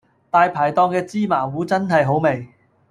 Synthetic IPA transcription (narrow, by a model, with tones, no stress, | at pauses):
t̪aː˧jpʰaː˨˩jt̪ɔː˧ŋkɛː˧t͡siː˥maː˨˩wuː˨˥t͡sɐ˥nɦɐ˨jɦo˨˥wme˨j